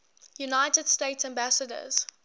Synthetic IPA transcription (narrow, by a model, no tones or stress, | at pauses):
junaɪtəd̥steɪtsæ̃mbæsədə̰z̥